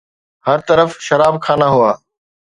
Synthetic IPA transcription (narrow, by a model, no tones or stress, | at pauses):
hɐɾt̪ɐɾəfʃɐɾaːb̚kʰaːnaɦʊaː